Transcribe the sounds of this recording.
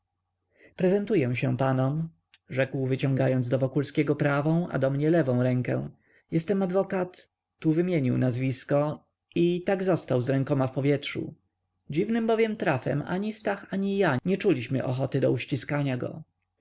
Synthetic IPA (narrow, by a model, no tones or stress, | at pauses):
pɾɛzɛnt̪ujɛ̃ɕɛ̃panɔm | ʐɛkwvɘt͡ɕɔ̃ŋɡajɔnd̪zd̪ɔvɔkulskʲɛɡɔpɾavɔ̃w̃a̰d̪ɔmɲɛlɛvɔ̃w̃ɾɛŋkɛ̰̃ | jɛst̪ɛmad̪vɔkat̪ː | uvɘmʲjeɲiwnazvʲiskɔ | it̪aɡzɔst̪awzɾɛŋkɔmafpɔvʲjɛtʂṵ | d͡ʑivnɘmbɔvʲjɛmt̪ɾafɛ̰ma̰ɲist̪axaɲijaɲɛt͡ʂulʲiɕmɘ̰ʔɔxɔt̪ɘd̪ɔuɕt͡ɕiskaɲaɡɔ̰